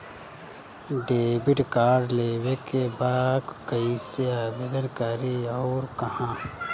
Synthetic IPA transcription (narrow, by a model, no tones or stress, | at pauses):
ɖeːbɪʈkaːɖleːwekebaːɡ̪kɐiseabɪd̪əɾkaːɾiɔːɾkɐhãː